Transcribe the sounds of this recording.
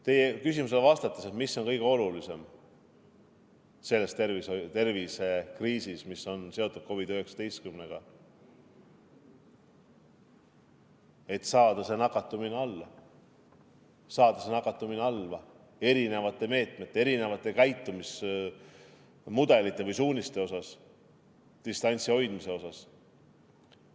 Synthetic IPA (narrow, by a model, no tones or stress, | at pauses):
t̪e̞jekysimus̬e̞lvɑst̪ɑt̪ːˑese̞t̪misːo̞nkɤjɡ̥e̞o̞lulise̞m | se̞lːe̞st̪ervisot̪e̞rvise̞kriːsismisːo̞nse̞o̞t̪ːˑud̪̥̚ko̞vid̪̥øhe̞ksɑ̥d̪e̞jst̪kymneɡ̥ɑ | e̞t̪sɑːd̪ɑse̞nɑkːˑɑt̪ːˑumineɑlːɑ | sɑːd̪̥ɑse̞nɑkːˑɑt̪ːˑumineɑlvɑ | e̞ɾine̞vɑt̪ːˑe̞me̞ːt̪me̞t̪ːˑeeɾine̞vɑt̪ːˑe̞kɑjt̪ːˑumis | mud̪e̞lit̪ˑːe̞vɯjsuːnʲist̪e̞o̞sɑs | d̪̥ist̪ɑnʲsio̞jd̪̥mise̞o̞sɑs